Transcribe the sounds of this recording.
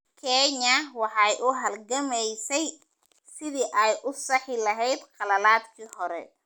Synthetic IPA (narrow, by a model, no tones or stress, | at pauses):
kʰɛːɲɐwɑħɑjʔʊɦɐlɡɐmɛjsɛj | sɪðiːʔɛjʔʊsɑħɪlɐɦɛjd̪qɑlɐlaːd̪kʰiːhɔɾɛ̰